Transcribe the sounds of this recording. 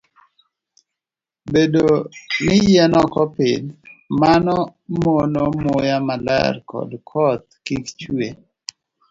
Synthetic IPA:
bedonɪjɛnɔkɔpɪ̰nmanɔmonomojamala̰ɾkɔ̰dkʰɔt̪̚kikt͡ʃwe

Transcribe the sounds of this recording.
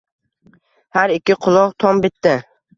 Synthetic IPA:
haɾɪkʲːɪqʰʊlˠɒqt̪ʰɒmbɪt̪ːɪ

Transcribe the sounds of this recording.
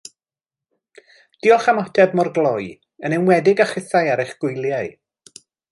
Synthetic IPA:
d̥iɔχamɔtʰɛbmɔrɡlˠɔj | ənɛnwɛdɪɡaχɪθajaɾɪjχɡ̥ʊjlˠjaɨ

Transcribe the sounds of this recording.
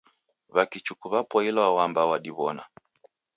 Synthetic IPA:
βakit͡ʃukuβapɔilwawambawaɗiβɔna

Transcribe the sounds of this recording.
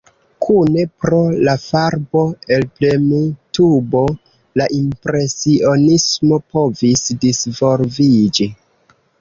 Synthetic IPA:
kʰune̞pɾo̞lafaɾbo̞e̞lplemitubo̞ | laʔimpɾe̞sio̞nismo̞po̞visdisvo̞ɾvid͡ʒi

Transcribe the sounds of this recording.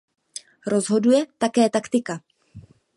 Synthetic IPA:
ɾo̞zɦo̞dujɛt̪akɛːt̪akt̪ɪka

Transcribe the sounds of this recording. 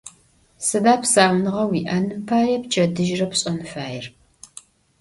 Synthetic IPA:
sɨdaːpsaːmnɨʁɐwiːʔɐnɨpʰaːjɛp̚t͡ʃʰɐdɨʒrɐpɕʼɐmɨfaːjɪr

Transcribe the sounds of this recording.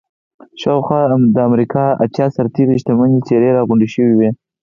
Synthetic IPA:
ʃawxwɑd̪əamɾikɑa̰tjɑsaɾt̪eɾiʃt̪amanit͡ʃeɾeɾɑɣʊɳɖiʃəwiwe

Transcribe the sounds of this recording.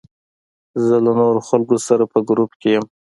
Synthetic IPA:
zəlanoɾoxalɡosaɾapəɡɾupkejəm

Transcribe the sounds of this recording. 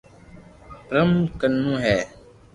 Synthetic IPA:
pɾəmkənːũːɦɛː

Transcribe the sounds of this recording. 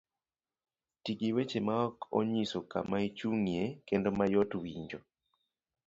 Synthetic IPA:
tikiwet͡ʃemaɔkɔ̰ɲisoka̰mait͡ʃuŋjekendɔmajɔtwiɲd͡ʒɔ

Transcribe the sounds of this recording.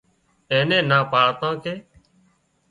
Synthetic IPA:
ẽːnẽːnaːpaːɽt̪ãːkeː

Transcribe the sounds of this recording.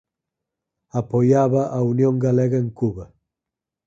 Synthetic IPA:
apojaβaʔaunjoŋɡaleɣaeŋkuβa

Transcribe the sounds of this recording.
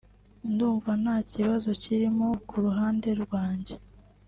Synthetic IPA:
nduːɱvanhaːciβazo̞ciɾimokuɾuɦaːnde̞ɾɡwaːɲɟe̞

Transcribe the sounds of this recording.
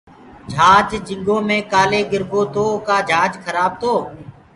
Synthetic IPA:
d͡ʒʱaːd͡ʒd͡ʒɪ̃ŋɡoːmẽːkaːleːɡɪɾɡoːt̪oːkaːd͡ʒʱaːd͡ʒkʰəɾaːb̚t̪oː

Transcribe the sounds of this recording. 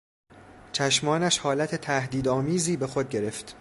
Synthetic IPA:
t͡ʃʰæʃmɒːnæʃhɒːlæt̪ʰe̞t̪ʰæhd̪iːd̪ɒːmiːziːbe̞xo̞d̪̚ɟe̞ɾe̞ft̪

